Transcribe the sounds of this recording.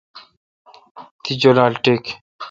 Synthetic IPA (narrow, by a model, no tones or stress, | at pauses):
t̪ʰid͡ʑolalʈek